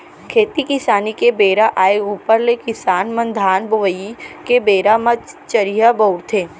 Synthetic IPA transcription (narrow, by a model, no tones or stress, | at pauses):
kʰeːt̪ikɪsaːnikebeːɾaʔaːeuːpəɾlekɪsaːnmə̃nd̪ʱaːnbəʋəjikebeːɾamət͡ʃəɾijabəːɽt̪ʰeː